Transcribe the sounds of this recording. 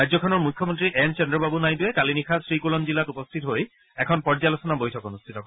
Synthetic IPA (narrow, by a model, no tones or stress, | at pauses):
ajd͡ʑzɔkʰɔnɔɹmujkʰːɔmɔntɹiʔɛnt͡ʃɛndɔbabunajduɛkalinikʰasɹikulɔmzilatupɔstʰitɦoj | ɛkʰɔnpɔɹd͡ʒalosɔnabojtʰɔkonustʰitɔkɔ